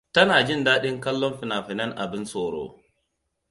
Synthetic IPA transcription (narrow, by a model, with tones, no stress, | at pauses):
tɐ˦naː˨d͡ʒɪ˦˨ndaː˦ɗɪ˦ŋkɐ˦lːɔ˦mɸɪ˨naː˨ɸɪ˨nɐ˦nʔa̰˨bɪ˦nsoː˨ɾo̰ː˦˨